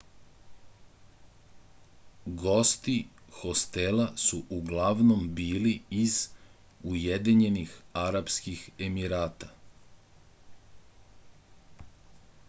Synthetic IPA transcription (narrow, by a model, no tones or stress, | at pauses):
ɡo̞st̪ixo̞st̪elasuʔuɡlaʋno̞mbiːliiz | ujed̪iɲe̞nixaɾapskixe̞miɾaːt̪a